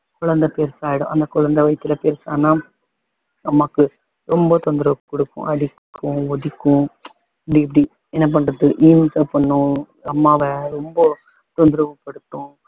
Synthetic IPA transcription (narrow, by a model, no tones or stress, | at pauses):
kʊɭɐnd̪ɐpeːɾsaːjɪɽʊ̰̃ʔɐnd̪ɐkʊɭɐnd̪ɐʋɐɪt̪ːɪlɐpeːɾsaːnaː | nɐmːaːkːɯ | ɾɔmbɐt̪ɔnd̪ɪɾɐʋpːɔɽɯkːʊ̰̃ʔɐɽɪkʰːʊ̃ɔðɪkːʊ̃ | pɽiɐp̬ːɐɽi | ɛnːɐp̬ɐɳːɾɐðɯʔiːmsɐpɐɳːʊ̃ | ɐmːaːʋɛɾɔmbɐ | t̪ɔnd̪ɪɾɐʋɐpːɐɽɯʈ̪ːʊ̃